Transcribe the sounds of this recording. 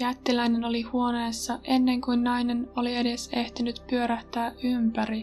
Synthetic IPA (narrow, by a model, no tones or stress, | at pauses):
jæt̪ːilæjne̞no̞lihuo̞ne̞ːsːɑʔe̞nːe̞ŋkujnːɑjne̞no̞lie̞de̞se̞ht̪inyt̪pyø̞ɾæht̪æːʔympæɾi